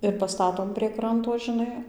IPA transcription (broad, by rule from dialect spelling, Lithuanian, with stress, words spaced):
ɪr pɐˈstɑːtoːm pʲrʲiɛ ˈkrɐntoː ʒʲɪˈnɐɪ